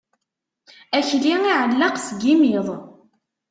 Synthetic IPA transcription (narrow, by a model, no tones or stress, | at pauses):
æçliiʕəlːɑqsɡimiðˤ